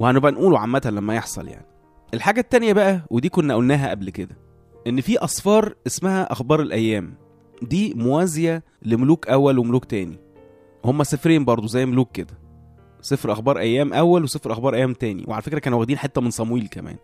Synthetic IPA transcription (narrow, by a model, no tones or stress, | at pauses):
wehænobʔænʔuːloʕamːæt̪hælæmːæjeħsˤɑ̰lja̰ʕni | ʔelħaːɡæt̪ːænjæbæʔæwed̪iːkonːæʔolnæːɦæʔæblked̪æ | ʔenːfiːʔɑsˤfɑːɾˤʔesmæhæʔɑxbɑːɾˤelʔæjːæːm | d̪iːmowæːzejæ | lemoluːkʔæwːælwemoluːkt̪æːnḭ | homːæsefɾeːmbɑɾˤd̪ˤozæjːmoluːkːed̪æ | sˤefɾʔɑxbɑːɾˤʔæjːæːmʔæwːælwesˤefɾʔɑxbɑːɾˤʔæjːæːmt̪æːnḭwʔeʕalæfekɾækæːnuwæɡd̪iːnħet̪ːæmensˤɑmwiːlkæmæ̰ːn